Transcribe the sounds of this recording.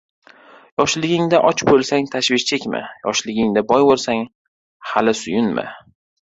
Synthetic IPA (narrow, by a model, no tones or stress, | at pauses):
jɒʃlɪɡʲɪŋd̪aʔɒt͡ʃbolˠsaŋt̪ʰaʃvɪʃt͡ʃʰekʲmɪ̰jɒ̰ʃlɪɡʲɪŋd̪abɒjbolˠsaŋ | halɪsʊjʊnmɪ̰